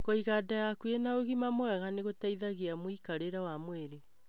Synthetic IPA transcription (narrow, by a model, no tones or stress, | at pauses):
koiɣadajakuenaoɣimamwɛɣaneɣotaiðaɣiamoikaɾeɾawamweɾe